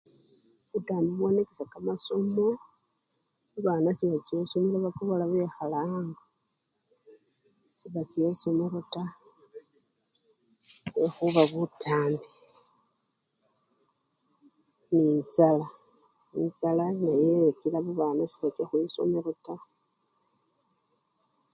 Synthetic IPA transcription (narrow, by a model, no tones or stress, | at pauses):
βutaːmbiβwo̞nekesakamasomo | βuβaːnasiβat͡ʃesomolaβakoβolaβexalaːŋɡa | siβat͡sesomeɾota | βexuβaβutʰaːmbi | ninzala | inzalanajekilaβuβaːnasi̥βat͡ʃexwiso̰meɾota